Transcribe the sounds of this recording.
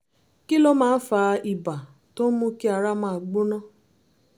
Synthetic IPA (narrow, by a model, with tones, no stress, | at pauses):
ki˦lo˦mãː˦fa˧i˨ba˨ | to˦mũ˦ki˦a˧ɾa˦mãː˦˨ɡ͡bo˦nã˦